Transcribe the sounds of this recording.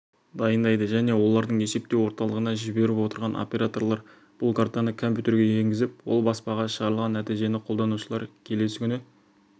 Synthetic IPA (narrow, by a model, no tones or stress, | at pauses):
d̪ɑjənd̪ɑjd̪əʒæne̞wo̞lˠɑɾd̪əɴe̞se̞p̚t̪e̞wo̞ɾt̪ɑlˠəʁənɑʒɪbe̞ɾɪpwo̞t̪əɾʁɑnʔo̰pʲe̞ɾat̪o̞rlˠɑɾ | b̥ʊlˠkʰaɾt̪anəkʰompjut̪e̞ɾɡʲe̞e̞ŋɡʲɪzɪpwo̰lˠbɑspɑʁɑʃəʁɑɾəlˠʁɑnːæt̪ijʒe̞nɪqʰo̞lˠd̪ɑnuʃəlˠɑɾkʲʰe̞le̞sɪkʲʏnɪ